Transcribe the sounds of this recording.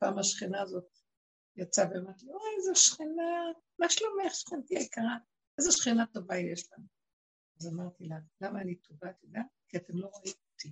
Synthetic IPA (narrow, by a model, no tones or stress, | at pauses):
paːmaʃχinaːzo̞t̪ | jat͡saveamaʁt̪iaezeʃχina | maʃlomeχʃχint̪ijajkaʁa | ezeʃχinat̪ovajjeʃlanu | azamaʁt̪ilalamaːnit̪oɡat̪odeakiatemlo̞ʁaimoti